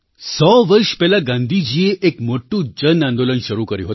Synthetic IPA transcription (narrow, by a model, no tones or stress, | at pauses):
sɔʋəɾɕpɛlaɡãnd̪ʱid͡ʑieʔekmoʈːũd͡ʑənand̪olənɕəɾukəɾḭɦot̪